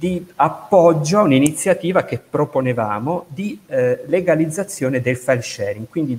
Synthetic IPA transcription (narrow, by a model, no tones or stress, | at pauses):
d̪iapːɔd͡ʒːouninit̪sːjat̪iːvakepːɾoponevaːmod̪ileɡalid̪zːat̪sːjoːned̪elfalʃɛːɾiŋɡkwind̪i